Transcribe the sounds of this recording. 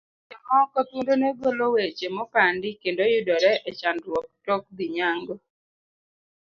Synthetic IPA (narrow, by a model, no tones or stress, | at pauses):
t͡ʃamɔkat̪undonɛɡolowet͡ʃemɔpandɪkendojʊdɔɾɛʔɛt͡ʃandwɔk̚tɔk̚d̪iɲaŋɡɔ